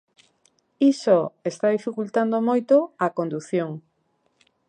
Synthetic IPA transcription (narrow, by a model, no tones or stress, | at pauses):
isoest̪aðifikult̪and̪omojt̪oakõnd̪uθjoŋ